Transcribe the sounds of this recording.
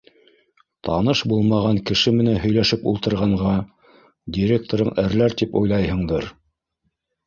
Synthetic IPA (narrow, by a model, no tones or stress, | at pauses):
t̪ʰɑnɤʃbulˠmɑʁɑŋkɘ̆ʃɘmɘ̆nænɦɵ̆jlæʃɘpṵlˠt̪ɤ̆ɾʁɑɴʁɑ | dʲiɾʲek̚t̪oɾɤɴʔæɾlæɾt̪ipujlˠɑjɦɤ̆ɴd̪ɤɾ